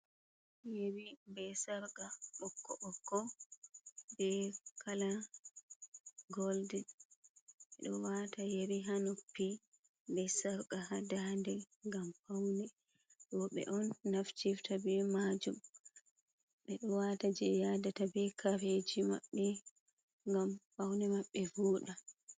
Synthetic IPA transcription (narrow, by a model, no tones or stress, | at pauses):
jeɾibɛsaɾɡaɓɔkːɔ̰ʔɔkːɔ | bɛkʰala | ɡɔldɛ | ɛɗɔwatajeɾiɦanopːi | bɛsaɾɡahadandɛ | ŋɡamfawnɛ | ɗɔɓɛ̰ʔɔnːaft͡ʃiftabɛmad͡ʒum | ɓɛɗɔwatad͡ʒɛjadatabɛkʰaɾed͡ʒima̰ɓːɛ | ŋɡamfawnɛmaɓːɛvuːɗa